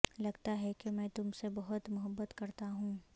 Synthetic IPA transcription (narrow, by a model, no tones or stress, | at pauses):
lɐɡt̪aɦɛkemɛ̃ːt̪ʊmsebɐɦʊt̪mʊɦəbːət̪kɐɾt̪aɦũː